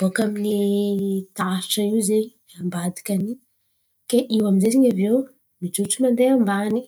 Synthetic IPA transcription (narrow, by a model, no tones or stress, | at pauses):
b̥okamini | t̪aʈ͡ʂaiwzeɲi | ambad̪i̥kʲani | keʔiwaminzezeɲavew | mid͡ʒuʈ͡ʂumand̪eambani